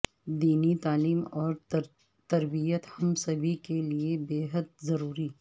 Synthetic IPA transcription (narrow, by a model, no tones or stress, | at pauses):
d̪iːnit̪aːliːmɔːɾ | t̪ɐɾbijət̪hɐmsɐbʱikeliebeːɦəd̪̚zɐɾuːɾi